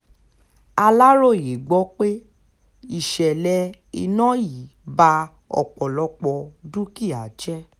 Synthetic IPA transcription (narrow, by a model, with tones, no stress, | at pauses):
a˧la˦ɾo˦˨je˨ɡ͡bɔ˨˦k͡pe˦ | i˦˨ʃɛ˨lɛ˧ | ḭ˧nɔ̃˦ji˨˦ba˧ | ɔ̰˨k͡pɔ˨lɔ˧˦k͡pɔ˧dũ˦ki˦˨a˨d͡ʒɛ˦